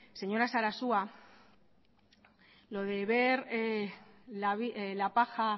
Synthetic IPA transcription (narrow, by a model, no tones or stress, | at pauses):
se̞ɲo̞ɾasaɾasua | lo̞ðe̞βe̞ɾelaβielapaxa